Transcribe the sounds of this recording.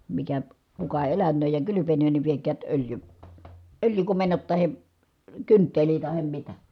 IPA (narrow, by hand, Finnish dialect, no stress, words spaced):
mikæ kukɑ elænˑøːj jɑ kylypenøːn ni ʋiekæːt øljy øljykomenːot tɑhe kyntːeli tɑhem mitæ